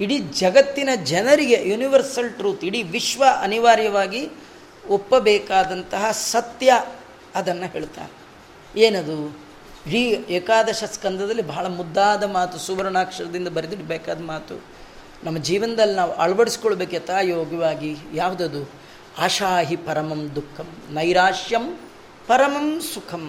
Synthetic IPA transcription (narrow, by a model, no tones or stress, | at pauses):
iɽid͡ʒɐɡɐt̪ːinɐd͡ʒɛnɐɾiɡe̞juniʋɐɾsɐlʈɾuːt̪iɽiʋiʃʋɐɐniʋaːɾjɐʋaːɡi | opːɐbɛːkaːd̪ɐnt̪ɐɦɐsɐt̪jɐ | ɐd̪ɐnːɐɦe̞ːɭt̪a̰ːɾe | eːnɐd̪u | ɦiːeːkaːd̪ɐʃɐskɐnd̪ɐd̪ɐlːibʱɐɦɐɭɐmud̪ːaːd̪ɐmaːt̪usuʋɐɾɐnaːkʂɐɾɐd̪ind̪ɐbɐɾid̪iɽibɛːkaːd̪ɐmaːt̪ṵ | nɐmːɐd͡ʒiːʋɐnɐd̪ɐlːinaːʋuʔɐɭɐbɐɽisi̥koɭbeːkɐt̪aːjoːɡɐʋaːɡijaːʋud̪ɐd̪u | aːʃaːɦipɐɾɐmɐmd̪ukʰːɐmnɐjɾaːʃjɐm | pɐɾɐmɐmsukʰɐm